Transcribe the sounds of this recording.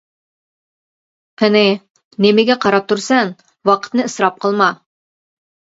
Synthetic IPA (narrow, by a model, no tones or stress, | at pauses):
pɘ̆nɪ | nemɪɡʲɛqʰɑɾɑp̚t̪uɾsæŋ | wɑqʰə̥t̪nɨəsɾɑp̚qʰɤ̆lˠmɑ